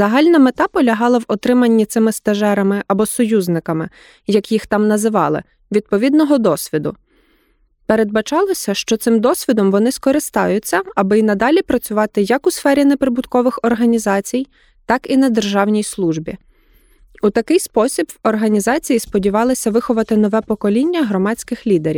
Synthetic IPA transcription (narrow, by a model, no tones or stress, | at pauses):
zɐɦɑlʲnɐmet̪ɑpɔlʲɐɦɑlˠɐwɔt̪ɾɪmɐnʲːit̪sɪmɪst̪ɐʒɛɾɐmɪʔɐbɔsɔjuznɪkɐmɪ | jɐkjixt̪ɑmnɐzɪʋɑlˠɪ̰ | ʋʲid̪̚pɔʋʲid̪nɔɦɔd̪ɔsʲʋʲid̪ʊ̰ | peɾed̪̚bɐt͡ʃɑlˠɔsʲɐʃt͡ʃɔt̪sɪmd̪ɔsʲʋʲid̪ɔmʋɔnɪskɔɾɪst̪ɑjʊt͡sʲːɐɐbɪinɐd̪ɑlʲipɾɐt͡sʲʊʋɑt̪ɪjɐkusfɛɾʲinɛpɾɪbʊt̪kɔʋɪxɔrɦɐnʲizɑt͡sʲij | t̪ɑkinɐd̪erʒɑwnʲijslˠuʒbʲḭ | ut̪ɐkɪjspɔsʲibwɔrɦɐnʲizɑt͡sʲijispɔdʲiʋɑlˠɪsʲɐʋɪxɔʋɐt̪ɪnɔʋɛpɔkɔlʲinʲːɐɦɾɔmɑt͡sʲkɪxlʲid̪eɾʲḭw